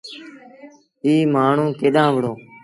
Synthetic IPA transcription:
iːmaːɳ̤ũːkeːɗãːʋəɽoː

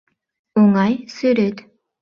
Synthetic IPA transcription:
uŋɑjsyɾøt̪

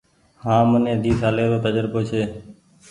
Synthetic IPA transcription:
hãːmənẽːd̪ʱiːsʰaːleːɾoːt̪əd͡ʒəɾpoːt͡ʃʰeː

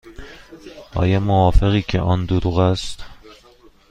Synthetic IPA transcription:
ɒ̰ːjɒːmovɒːfeɣiːcʰḛʔɒːnd̪oɾuɣæst̪

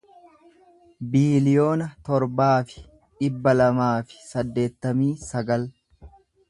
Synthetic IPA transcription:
biːlɪjo̞ːnɐt̪ɔɾbaːfɪ̥ | ᶑɪbːɐlɐmaːfɪ̥sɐd̪ːe̞ːt̪ːɐmiːsɐɡɐl

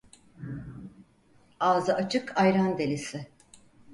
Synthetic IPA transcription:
aːzɯat͡ʃʰɯkʰajɾand̪elʲisɪ

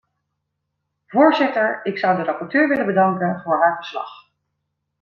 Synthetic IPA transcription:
vʊːɹzɪtəɹɪksʌwdərɑpɔɹtøːɹʋɪlənbədɑŋkənvʊːɹɦaːɹvəɹslɑ̰χ

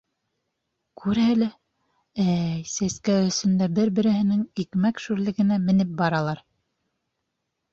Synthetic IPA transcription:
kʰʉɾælæ | æjsæskæwɵ̆sɵ̆nd̪æbɘɾbɘ̆ɾɘ̆hɘ̆nɘŋikmækʃʉɾlɘ̆ɡɘ̆næmɘ̆nɘp̚bɑɾɑlˠɑɾ

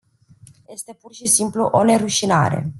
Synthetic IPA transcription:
je̞st̪e̞purʃisimpluʔo̞ne̞ɾuʃina̰ɾe̞̰

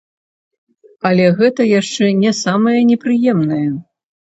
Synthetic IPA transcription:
ɐlʲɛɣɛt̪ɐjaʂt͡ʂɛnʲɛsamɐjɐnʲɛpɾɨjɛmnɐjɐ

